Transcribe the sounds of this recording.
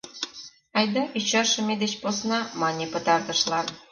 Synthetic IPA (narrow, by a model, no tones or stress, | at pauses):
ɑjd̪ɑʔit͡ɕɑʃɤ̆mʲed̪et͡ɕposnɑmɑnʲepɤ̆t̪ɑrt̪ɤ̆ʃlˠɑn